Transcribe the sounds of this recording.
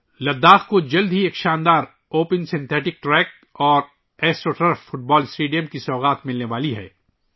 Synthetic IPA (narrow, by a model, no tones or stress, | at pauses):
lɐd̪ːaːxkod͡ʒɐld̪ʱɦieːkʃaːnd̪aːɾ | oːpə̃nsɪ̃nt̪ʰɛːʈɪk̚ʈɾɛːk̚ | ɔːɾ | ɛːsʈoːʈeːɾfʊʈ̚bɔːlsʈeːɖijəmkisɔːɣaːt̪mɪlneʋaːliɦɛ̰ː